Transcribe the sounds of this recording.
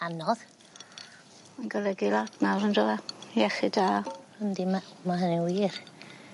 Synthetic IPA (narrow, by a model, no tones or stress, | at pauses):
anɔð | manɡɔlɛɡɪlˠadnawrəndɔlaɛχɪdaːəndimamaɦəniwiːr